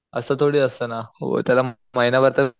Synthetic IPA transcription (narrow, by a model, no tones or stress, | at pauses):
ə̰sət̪ʰoɽiːəst̪əna̰t̪jala | məɦinaʋəɾt̪ə